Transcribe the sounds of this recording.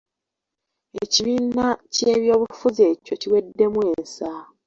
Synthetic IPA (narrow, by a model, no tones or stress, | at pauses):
eciβiːnace̞ːβjo̞ːβufuze̞cociwe̞dːe̞mwe̞ːnsa